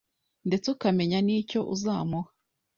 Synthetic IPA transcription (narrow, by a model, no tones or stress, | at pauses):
nde̞t͡seukame̞ɲaniːco̞ʔuzaːmuha